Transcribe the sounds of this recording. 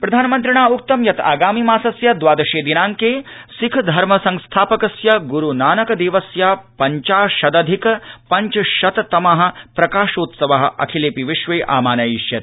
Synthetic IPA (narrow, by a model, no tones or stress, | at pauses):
pɾɐd̪ʱaːnɐmɐnt̪ɾiɳaːuk̚t̪ɐmjɐt̪a̰ːɡaːmimaːsɐsjɐd̪ʋaːd̪ɐʃeːd̪inaːŋkeːsikʰd̪ʱɐɾmɐsɐ̃ŋst̪ʰaːpɐkɐsjɐɡuɾunaːnɐkɐd̪eːʋɐsjaːpɐɲt͡ʃaːʃɐd̪ɐd̪ʱikɐpɐɲt͡ʃɐʃɐt̪t̪ɐmɐɦɐ̆pɾɐkaːʃoːt̪sɐʋɐɦɐ̆ʔɐ̰kʰileːpiʋiʃʋeːʔa̰ːmaːnɐjiʃjɐt̪